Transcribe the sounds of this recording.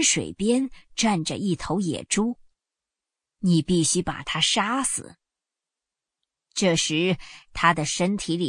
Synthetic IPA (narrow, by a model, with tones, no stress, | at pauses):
nʂwḛ˨˩ɪpjɛ˥nʈ͡ʂa˥˩nʈ͡ʂə̰˨ʔi˥˩t̪ʰo˧˥ʊjɛ̰˨˩ʈ͡ʂu˥ | ni˨˩pi˥˩ɕy˥pa̰˨˩t̪ʰa˥ʂa˥sɹ̩̰˨˩˦ | ʈ͡ʂɤ˥˩ʂɻ̩˧˥t̪ʰa˥d̪ə˨ʂə˥nt̪ʰi˧˥li˨˩